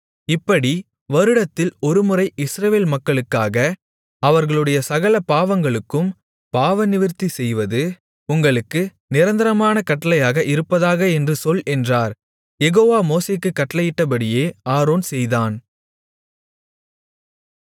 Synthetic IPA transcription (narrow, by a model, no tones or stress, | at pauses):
ɪpːɐɽi | ʋɐɾɯɽɐt̪ːɪlɔɾɯmɯrɐɪʔɪsɾɐʋeːlmɐkːɐɭɯkːaːɣɐ | ɐʋɐɾɣɐɭɯɽɐjɐsɐɣɐlɐpaːʋɐŋɡɐɭɯkːɯm | paːʋɐnɪʋɪɾt̪isɛjʋɐðɯ | ʊŋɡɐɭɯkːɯ | nɪɾɐnd̪ɐɾɐmaːnɐkɐʈːɐlɐjaːɣɐʔɪɾɯpːɐðaːɣɐɛndrɯsɔlɛndraːɾ | jɛɣoːʋaːmoːseːkːɯkːɐʈːɐlɐjɪʈːɐpɐɽɪjeːaːɾoːnsɛjðaːn